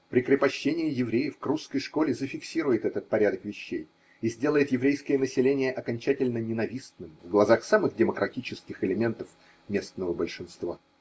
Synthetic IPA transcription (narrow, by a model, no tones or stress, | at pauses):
pɾʲɪkɾʲɪpɐɕːenʲɪjɪjɪvɾʲejəfkruskəjʂko̞lʲɪzəfʲɪksʲiɾʊjɪt̪ɛt̪ət̪̚pɐɾʲad̪əkvʲɪɕːḛj | ɪzʲdʲe̞lˠəjɪt̪jɪvɾʲejskəjənəsʲɪlʲenʲɪjəʔɐkɐnʲt͡ɕætʲɪlʲnənʲɪnɐvʲisnɨmvɡlˠɐzaxsamɨɣdʲɪməkɾʔɐtʲit͡ɕɪskʲɪxɪlʲɪmʲe̞nt̪əf | mʲe̞snəvəbəlʲʂɨnst̪va̰